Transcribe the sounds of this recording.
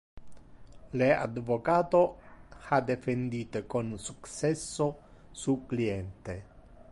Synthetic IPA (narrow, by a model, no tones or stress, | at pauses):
lea̰d̪vokaːt̪ohad̪efend̪it̪ekonsuktsɛsːo | suklient̪e